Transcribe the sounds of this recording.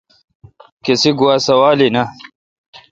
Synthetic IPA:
kisiɡuwaːsɐwaːlinɐ

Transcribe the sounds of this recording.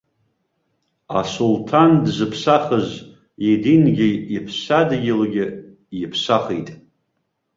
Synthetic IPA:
a̰sultʰandzɨpʰsaχəz | idinɡʲɪipʰsadɡʲɪlɡʲɪ | jɪpʰsaχitʼ

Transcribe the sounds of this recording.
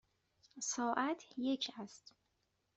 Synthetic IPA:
sɒːʔæt̪ʰjecʰæst̪

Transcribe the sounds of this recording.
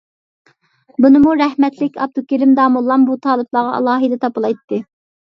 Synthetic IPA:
bunɨmuɾɛhmɛt̪lɪkʲɑ̰b̚d̪ukʲilɪmd̪ɑːmulˠːɑmbut̪ʰɑːlˠɨblˠɑːʁɑʔɑ̰lˠɑːɦɨd̪ɛt̪ʰɑpɨlˠɑjt̪ʰːɨ

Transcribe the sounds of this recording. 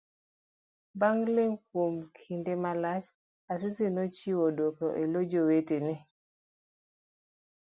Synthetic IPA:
baŋleŋkomkʰindemalat͡ʃ | as̬isinɔt͡ʃiwodokɔʔelod͡ʒoweteni

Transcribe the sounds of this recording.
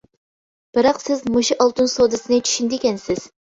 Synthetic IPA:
b̥ɨɾɑqsɪzmuʃiʔɑlˠt̪unsod̪ɨsɨnɨt͡ʃʰy̥ʃynd̪ɪkʲɛnsɪz̥

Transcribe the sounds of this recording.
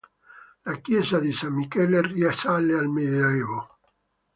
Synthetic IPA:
lakjezaðisamːikeleriasalːealmeðoeβo

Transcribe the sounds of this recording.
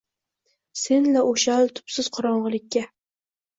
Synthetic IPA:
se̞nlaʔoʃalt̪ʰʊ̥psɪz̥qʰʊɾɒɴʁɨlˠɪkʲːa

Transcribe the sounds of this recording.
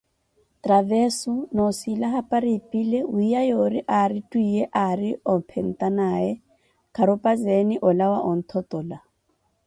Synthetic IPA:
tʼravɛsʊnosilaɦapʼaɾipʼileuijajoɾiʔaɾitʼuieʔarɪɔpʰɛn̩tʼanaːɛ | kʰaɾʊpʼazenɪʔɔlawaʔɔn̩t̪ʰɔt̪ʼɔːla

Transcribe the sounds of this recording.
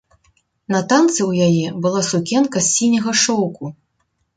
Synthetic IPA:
nɐt̪ant̪sɨwjajɛbɨlˠasukʲɛnkɐsʲinʲɐɣɐʂɔwku

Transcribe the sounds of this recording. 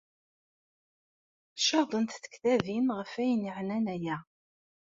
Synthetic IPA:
ʃɑðˤənt̪θə̥kθæðinʁəfæjəniʕnænæjæ

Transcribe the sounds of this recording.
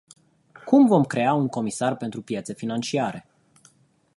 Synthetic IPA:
kumvo̞mkɾe̞auŋko̞misarpe̞nt̪ɾupjat̪se̞finant͡ʃiaɾe̞̰

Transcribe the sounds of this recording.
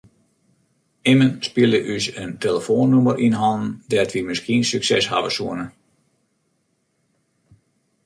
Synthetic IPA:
ɪmənspiəlˠəʔysənteləfoːnːumərʔinɦɔln̩dɛtʋimɪskiənsyksɛsha̰vəsuənə

